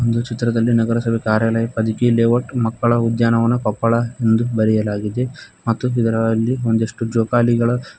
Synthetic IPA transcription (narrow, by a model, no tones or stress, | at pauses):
ond̪ut͡ʃit̪ɾɐd̪ɐlːinɐɡɐɾɐsɐbʱekaːɾjaːlɐjɐpɐd̪ikileːʋɐʈmɐkːɐɭɐud̪jaːnɐʋɐnːɐkɔpːɐɭɐe̞nd̪ubɐɾɛjɐlaːɡid̪e̞mɐt̪ːuid̪ɐɾɐlːiond̪eʂʈud͡ʒoːkaːliɡɐɭɐ